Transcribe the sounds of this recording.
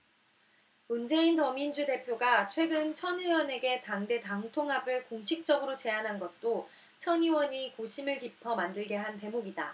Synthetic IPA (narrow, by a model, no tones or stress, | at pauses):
mund͡ʑe̞intʌmind͡ʑude̞pʰjoɡat͡ɕʰwe̞ɡɯnt͡ɕʰʌniwʌne̞ɡe̞taŋde̞taŋtʰoŋɦabɯɭkoŋɕʰik̚t͡ɕ͈ʌɡɯɾot͡ɕe̞anɦanɡʌt̚t͈o | t͡ɕʰʌniwʌɲikoɕʰimɯɭkipʰʌmandɯɭɡe̞ɦante̞moɡida̰